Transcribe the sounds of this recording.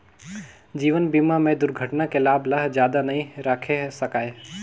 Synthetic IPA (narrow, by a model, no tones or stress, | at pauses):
d͡ʒiːʋənbiːmamẽd̪ʊɾɡʱəʈnakelaːblɐɦd͡ʒjaːd̪anɐɦĩɾaːkʰesɐkaːe